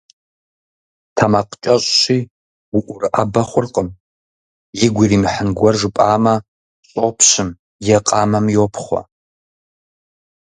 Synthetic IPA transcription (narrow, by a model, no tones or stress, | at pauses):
tʰamaqʼt͡ʃʼaɕʼʃi | uʔʷʊrabɐχʷʊrqʼəm | jɪɡʷirimħənɡʷarʐʷɨpʼaːma | ɕʼopʰɕɨm | jɛqʼaːmamjopʰχʷa̰